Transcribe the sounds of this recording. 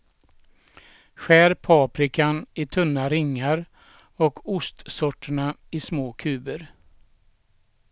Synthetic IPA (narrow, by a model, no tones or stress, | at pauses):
ɧæːɾpʰɑːpɾɪkanɪt̪ʰɵnːaɾɪŋːaɾ | ɔkʰʊst̪sɔʈːəɳaɪsmoːkʰʉ̟ːbəɾ